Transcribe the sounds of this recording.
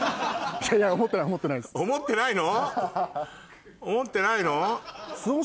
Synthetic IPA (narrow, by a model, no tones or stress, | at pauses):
jajaomot̪ːenaiomot̪ːenaiesomot̪ːe̞naino | omot̪ːe̞nainosɨo